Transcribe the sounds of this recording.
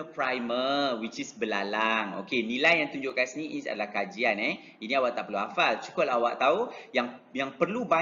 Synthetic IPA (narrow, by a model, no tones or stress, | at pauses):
əpɾajməwit͡ʃisbəlalaŋo̰kenilajːaŋt̪uɲd͡ʒʊʔkansinĩːsa̰dalahkad͡ʒianɛ | inĩawaʔt̪aʔpərluafalt͡ʃu̥kʊlawaʔt̪aujaŋjaŋpərluba